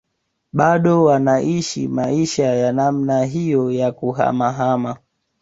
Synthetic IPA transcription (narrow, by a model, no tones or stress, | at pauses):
ɓaɗɔwanaʔiʃḭmaiʃajanamnaɦijɔjakuɦa̰maɦama